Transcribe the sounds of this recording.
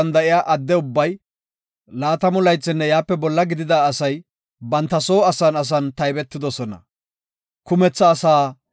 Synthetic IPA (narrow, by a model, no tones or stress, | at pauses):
ɐnd̪ɐʔɪjaːʔɐd̪ːɛʊbːɐj | laːt̪ɐmʊlɐjt͡sːɪnːɛjaːpːɛbɔlːɐɡɪd̪ɪd̪aːsɐj | bɐnt̪ːɐso̞ːɐsɐnɐs̬ɐnt̪ɐjbɛt̪ːɪd̪ɔsɔnɐ̰ | kʊmɛt͡sːɐːsaː